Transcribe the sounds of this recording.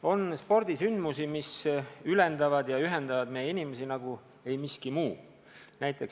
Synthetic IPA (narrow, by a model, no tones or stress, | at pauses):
o̞nspo̞rd̪̥isynd̪musimisyle̞nd̪ɑvɑd̪jɑyɦe̞nd̪ɑvɑd̪̥mejeinimesinɑɡ̥u | e̞jmiskimuː | næjt̪ːˑe̞ks